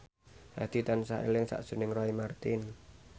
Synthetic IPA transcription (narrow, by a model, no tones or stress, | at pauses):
ha̰d̪̥i̤t̪ansaʔḛlɪŋsa̰ʔʒ̥ṳnɪŋrɔimart̪ɪn